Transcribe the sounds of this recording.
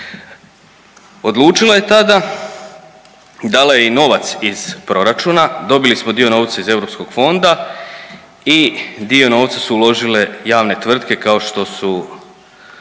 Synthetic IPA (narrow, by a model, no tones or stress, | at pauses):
o̞d̪lˠuːt͡ʃilaje̞t̪ad̪a | d̪aːlajeino̞ʋat̪siz̥pɾo̞ɾat͡ʃuːnad̪o̞bilismo̞d̪io̞no̞ːʋt̪saize̞ʋɾo̞psko̞ɡ̥fo̞nd̪a | id̪io̞no̞ːʋt̪sasuːlo̞ʒile̞jaːʋne̞t̪ʋr̩t̪ke̞kao̞ʃt̪o̞su